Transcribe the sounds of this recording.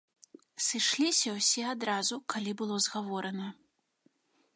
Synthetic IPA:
sɨʂlʲisʲɐwsʲɛad̪ɾazukʰalʲibɨlˠɔzɣavɔɾɐnɐ

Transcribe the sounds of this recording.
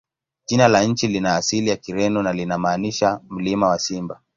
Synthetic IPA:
ʄinalaɲ̩t͡ʃilinaːsilijakiɾɛnunalinamaːniʃam̩limawasimba

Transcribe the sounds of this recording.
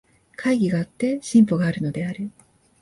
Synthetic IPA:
kʰaiɡʲiɡaːt̪ːe̞ɕĩmpoɡaːɾɯ̟no̞d̪e̞aɾɯ̟

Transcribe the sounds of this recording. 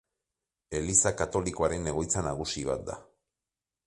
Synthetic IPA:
e̞lisakat̪o̞liko̞aɾe̞nːe̞ɣo̞jt͡sanaɣ̞usiβ̞at̪̚d̪a̰

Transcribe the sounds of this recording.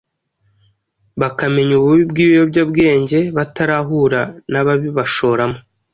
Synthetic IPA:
βakame̞ɲuβuβibɡiːβijobɟabɡe̞ːɲɟe̞βataɾaɦuɾanaβaβiβaʃo̞ːɾamo

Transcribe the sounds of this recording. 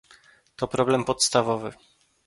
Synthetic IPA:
t̪ɔpɾɔblɛmpɔt̪st̪avɔvɘ

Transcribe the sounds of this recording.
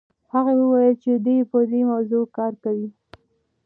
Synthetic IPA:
haɣawəwajəlt͡ʃed̪ejepəd̪emawzokɑɾkawi

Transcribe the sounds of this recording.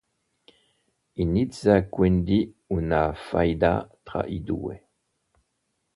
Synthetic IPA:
inidzakwend̪i | unafa̰jd̪at̪ʁa̰ʔid̪ṵe

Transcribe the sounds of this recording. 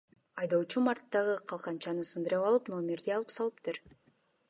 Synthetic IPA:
ɑjd̪owt͡ʃumɑrt̪ːɑʁɯqʰɑlˠqɑnt͡ʃɑnɯsɯnd̪ɯɾɑpɑlˠɯpno̞mʲeɾd̪iɑlˠɯpsɑlˠɯpt̪ɯɾ

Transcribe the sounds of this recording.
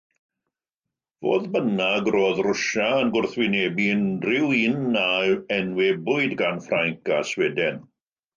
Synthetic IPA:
vo̰ːðbənaɡroːðrʊʃaənɡʊrθwɪneːbiəndrɪwinːaɛnwɛbʊɨdɡanfrajŋkaswɛdɛn

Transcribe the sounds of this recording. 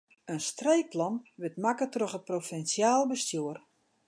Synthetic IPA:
ənstrejk̚plɑnʋɪtmakətroxət̚profɛnsjaːlˠbəstjuər

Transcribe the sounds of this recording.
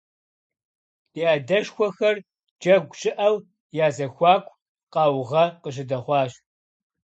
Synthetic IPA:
iːaːdɐʃxʷɔxɐr | d͡ʒɐɡʷt͡ʃʼɪʔɐw | jaːzɐxʷɑːkʷʰʼ | qɑːwʁɐqəʒɨdɐχʷɑːɕ

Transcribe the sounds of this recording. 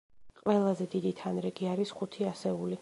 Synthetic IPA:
qʼwɛlˠazɛd̪id̪it̪ʰanɾɛɡiaɾisχut̪ʰiasɛuli

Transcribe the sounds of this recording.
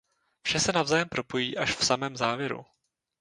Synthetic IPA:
fʃɛsɛnavzaːjɛmpɾʔo̞po̞jiːʔaʃfsamɛːmzaːvjɛɾṵ

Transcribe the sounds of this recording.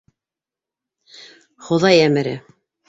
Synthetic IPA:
χŏðɑjæmɘ̆ɾɘ

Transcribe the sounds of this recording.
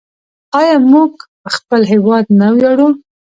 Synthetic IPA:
ɑjɑmuɡ | xpəlɦewɑd̪nawjaɽu

